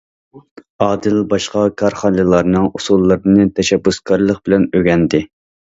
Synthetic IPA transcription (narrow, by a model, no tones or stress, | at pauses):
ɑːd̪ɪlbɑʃqɑkʰɑɾχɑnɨlˠɑɾnɨŋusulˠːɨɾnɨt̪ʰɛʃɛbːuskɑɾlˠəq̚bɪlɛnøɡʲɛnd̪ɪ